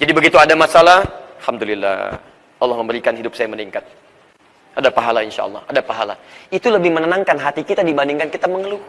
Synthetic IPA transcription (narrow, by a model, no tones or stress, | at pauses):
d͡ʒadibəɡit̪uadamasalahlhamdulilːa̰ | ɑlːɑhməmbəɾikanɦidʊp̚sajaməniŋkat̪̚ | ʔadapaɦalainʃa̰ʔɑ̰lˠːɑ̰hadapaɦala̰it̪uləbɪhmənənaŋkanɦat̪ikit̪adibandiŋkankit̪aməŋəlu